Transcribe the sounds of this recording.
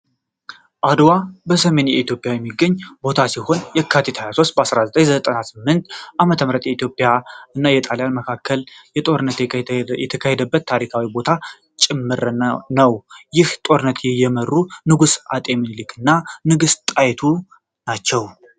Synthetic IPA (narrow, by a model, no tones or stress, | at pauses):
ʔad̪wabəsəme̞njɛʔit̪jo̞pʼjawjɛmːiɡːəɲːbo̞t̪ʰasiho̞njɛkʰːat̪ʰit̪ʰhajaso̞st̪̚bəasɾazət̪ʼəɲzət̪ʼənasɨmːɨnt̪ʔamət̪ʰəmɾət̪jɛit̪ʰjo̞pʼːjaɨnːajɛt̪ʼaljanməkʰakʰːəljɛt̪ʼo̞ɾɨnːət̪jɛt̪ʰəkʰahed̪əbːət̪ʰːaɾikʰawibo̞t̪ʰa | t͡ʃʼɪmːɨɾnəwjɪht̪ʼo̞ɾɨnːət̪ʰjɛjɛmərːunɨɡusa̰t̪ʼeminlikʰɨnːanɨɡɨst̪ʼajɛt̪ʰu | nat͡ʃːɛw